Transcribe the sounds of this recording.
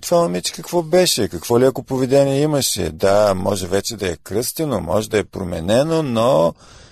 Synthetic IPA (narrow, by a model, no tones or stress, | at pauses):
t̪vanɐmit͡ʃɛ̥kɐkvɔbɛʃɛkɐkvɔliɐkopovɛd̪ɛniɛimɐʃɛ̰d̪amɔʒɛvɛt͡ʃɛd̪ɐɛkɾɤst̪ɛnomɔ̰ʒɛd̪ɐɛpɾomɛ̰nɛnono